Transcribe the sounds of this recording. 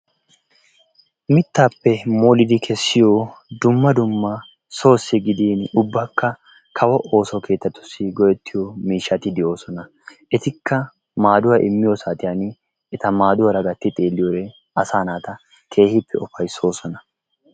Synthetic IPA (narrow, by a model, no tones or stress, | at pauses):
mɪt̪ːaːpːɛmoːlɪd̪ɪkʰɛsːɪjod̪ʊmːɐd̪ʊmːɐ | so̞ːsːɪɡɪd̪iːnʊbːɐkːɐ | kʰɐwɐʔo̞ːsɔke̞ːt̪ːɐt̪ːʊ̥sːɪɡɔjɛt̪ːɪjomiːʃːɐt̪ɪd̪ɪjo̞ːsɔnɐ | ʔɛt̪ɪkːɐ | maːd̪ʊwaʔɪmːɪjɔsaːt̪ʼɪjan | ɛt̪ɐmaːd̪ʊwɐɾɐɡɐt̪ːɪt̪ʼeːlːɪjoɾɛ | ɐsaːnaːt̪ɐ | kʰe̞ːhɪpʰːɛɔfɐjso̞ːsɔnɐ